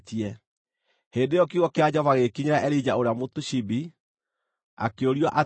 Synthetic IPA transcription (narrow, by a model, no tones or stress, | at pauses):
tiɛ | heːndejɔk̬iɣɔkead͡ʑɔvaɣekiɲeɾaʔɛɾid͡ʑaoɾeamotuɕibi | a̰keoɾiɔʔa